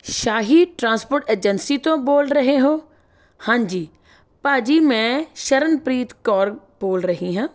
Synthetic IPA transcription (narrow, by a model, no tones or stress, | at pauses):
ʃaːɦiʈɾãːnspoːɾʈeːd͡ʒənsit̪õboːlɾɐɦeɦoː | hãːɲd͡ʒiː | paːd͡ʒimẽʃɐɾənpɾiːt̪kɔːɾ | boːlɾɐɦĩɦãː